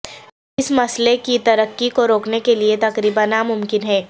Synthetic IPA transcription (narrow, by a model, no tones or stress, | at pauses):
ɪsmɐslekit̪ɐɾəkːikoɾoːknekeliet̪ɐkɾiːbanamʊmkɪnɦɛː